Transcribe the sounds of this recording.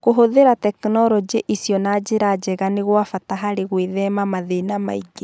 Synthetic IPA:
koɦoðeɾatɛknɔɾɔd͡ʒeʔisjɔnad͡ʒeɾad͡ʒɛɣaneɣwafataɦaɾeɣweðɛmamaðenama̰iɡe

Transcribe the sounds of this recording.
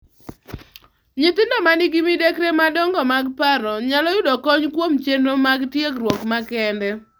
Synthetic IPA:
ɲɪt̪ɪndɔmanɪɡimidekɾemadɔŋɡɔmaɡpaɾɔɲalɔjʊdɔkɔɲkwomt͡ʃenomaɡtjekrwɔkmakɛndɛ

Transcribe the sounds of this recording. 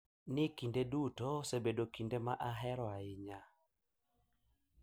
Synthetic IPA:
nɪkindedutosebedokindemaʔaɦɛɾɔaɪɲa

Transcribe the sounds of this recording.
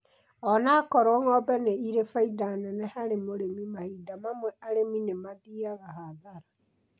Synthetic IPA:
ɔnaːkɔɾoŋɔbɛneiɾefaidanɛnɛhaɾemoɾemimahidamamwɛʔaɾeminemaðiaɣahaðaɾa

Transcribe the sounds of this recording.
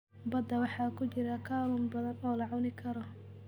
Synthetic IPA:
bɐd̪ːɐwɑħɑːkʰʊt͡ʃɪɾɐkʰaːluːmbɐðɐnɔːlɐʕɑnɪkʰɐɾɔ

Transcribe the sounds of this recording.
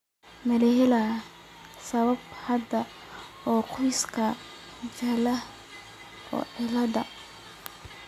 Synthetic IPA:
mɐlɛɦɪla | sɐβɐbhɐd̪ɐ | ɔːqʰʊjskʰɐ | t͡ʃɐlɐ | ɔ̰ːʕɪlɐd̪ɐ̰

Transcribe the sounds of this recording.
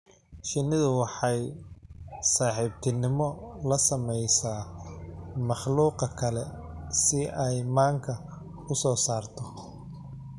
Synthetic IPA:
ʃɪnɪðʊwɑħɑj | saːħiːb̚t̪ʰɪnɪmɔlɐsɐmɛjsaː | mɑχluːqɐkʰɐlɛ | sɪɛjmaːŋkʰɐ | ʊsɔːsaːrt̪ʰɔ

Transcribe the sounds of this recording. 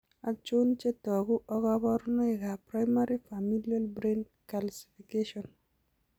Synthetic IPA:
at͡ʃont͡ʃetɔɡuʔɔɡɔβɔɾnɔeɡapɾajmaɾifamilialbɾen | kalsi̥fikeʃɔn

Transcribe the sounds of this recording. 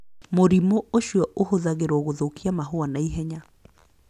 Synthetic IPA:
moɾimooʃjɔʔohoðaɣeɾɔɣoðokiamaɦoanaiɦɛɲa

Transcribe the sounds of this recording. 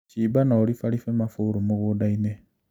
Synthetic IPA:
t͡ʃibanaoɾifalifemafuɾumuɣudaine

